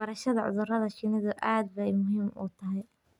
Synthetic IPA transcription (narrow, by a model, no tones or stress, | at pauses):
bɐɾɐʃɐðɐʕʊ̰ðʊrɐðɐʃɪnɪðʊʔaːd̪̚bɛjmʊɦiːmṵːt̪ʰɐɦɛj